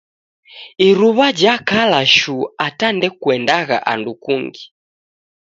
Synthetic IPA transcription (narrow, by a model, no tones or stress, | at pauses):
iɾuβad͡ʒakalaʃuatandɛkwɛndaɣa̰ʔa̰ndukuŋɡi